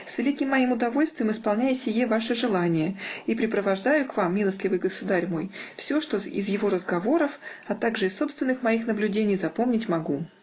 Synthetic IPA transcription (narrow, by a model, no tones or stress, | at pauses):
svʲɪlʲikʲɪmːɐjimʊd̪ɐvo̞lʲst̪vʲɪjɪmɪspɐlˠnʲæjɪsʲɪjevaʂɨʐɨlˠanʲɪjəipɾʲɪpɾəvɐʐd̪ajʊkvamʲːilˠəsʲt̪lʲɪvɨjɡəsʊd̪aɾʲmo̞jfsʲo̞ʂt̪o̞ɪ̰zjɪvo̞ɾəzɡɐvo̞ɾəfɐt̪aɡʐɨɪsːo̞pst̪vʲɪnːɨxmɐixnəblʲʉdʲenʲɪjzɐpo̞mnʲɪtʲmɐɡu